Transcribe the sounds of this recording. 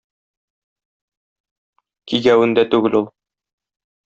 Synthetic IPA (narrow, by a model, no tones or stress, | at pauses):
kiɡæwɘ̆nd̪æt̪ʉɡɘlulˠ